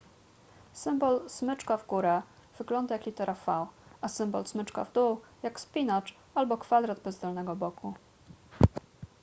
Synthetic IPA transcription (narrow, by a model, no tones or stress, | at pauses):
sɘmbɔlsmɘt͡ʂkavɡuɾɛ | v̥ɘɡlɔnd̪ajaklʲit̪ɛɾafawasɘmbɔ̰lsmɘt͡ʂka̰vd̪uwjakspʲinat͡ʂ | albɔkfad̪ɾad̪bɛzd̪ɔlnɛɡɔbɔkʰu